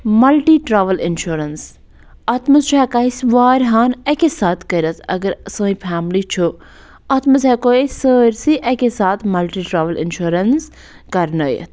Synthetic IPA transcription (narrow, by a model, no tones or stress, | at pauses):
mɐlʈiːʈɾaːʋəlɪnʃuːɾəns | ɐt̪ʰmɐzt͡ʃʰuɛkaːisʋaːɾɦaːnɐkesaːt̪ʰkəɾɐt̪ʰɐ̰ɡəɾsə̃ːĩpʰaːmlit͡ʃʰo | ɐt̪ʰmɐzɦɛkoːisəːɾsiʔɐkesaːt̪ʰmɐlʈiːʈɾaːʋəlɪ̰nʃuːɾəns | kɐɾnəːjə̰t̪ʰ